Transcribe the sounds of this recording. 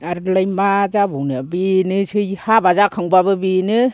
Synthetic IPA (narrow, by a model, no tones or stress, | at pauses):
aɾlajmazabɔwnɯbinɯsɯjhabazakʰɯŋbabɯbinɯ